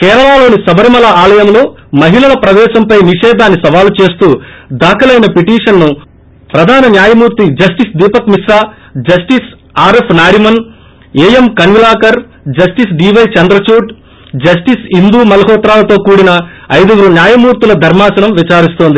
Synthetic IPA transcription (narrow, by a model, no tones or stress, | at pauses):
kɛːɾɐɭaːlo̞ːnisɐbɐɾimɐlɐaːlɐjɐmlo̞ːmɐɦilɐlɐpɾɐʋɛːʃɐmpɐjniʂɛːd̪ʱaːnːisɐʋaːlut͡ʃe̞ːst̪uːd̪ʱaːkɐlɐjnɐpiʈiːʂɐnːu | pɾɐd̪ʱaːnɐnjaːjɐmuːɾt̪id͡ʒɐsʈisd̪iːpɐkmisaː | d͡ʒɐsʈis | aːɾepʰnaːɾimɐn | eːjemkɐnʋilaːkɐɾ | d͡ʒɐsʈisɖiːʋɐjt͡ʃɐnd̪ɾɐt͡ʃuːʈ | d͡ʒɐs̬ʈisɦind̪uːmɐlɐɦɔːt̪ɾaːlɐt̪o̞ːkuːɽinɐːjd̪ɐʋuɾunjaːjɐmuːɾt̪ilɐd̪ʱɐɾmaːsɐnɐmʋit͡ʃaːɾist̪oːnd̪i